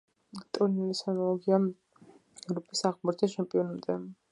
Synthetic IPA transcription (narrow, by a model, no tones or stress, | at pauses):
t̪ʼuɾnilisanɔlˠɔɡia | ɛvɾɔpʼisaʁmɔɾt̪ʰat͡ʃʰɛmpʼiɔnamt̪ʼɛ